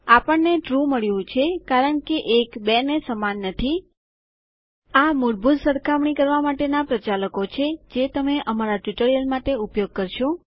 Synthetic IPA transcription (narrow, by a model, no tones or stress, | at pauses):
apəɳneʈɾuməɭjũt͡ʃʰekaɾəɳkeʔekbɛnesəmanːət̪ʰi | amʊɽbʱut̪səɾkʰamɳikəɾʋamaʈenapɾət͡ʃaləkot͡ʃʰed͡ʒet̪əmeʔəmaɾaʈʋiʈəɾijəlmaʈeupjoɡ̚kəɾʃo